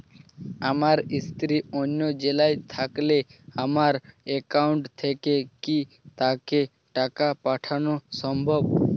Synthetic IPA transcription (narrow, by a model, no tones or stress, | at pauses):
amaɾɪst̪ɾionjod͡ʒelajt̪ʰakleamaɾekaʊɳʈt̪ʰekeki | t̪ake | ʈakapaʈʰanosəmbʱɔb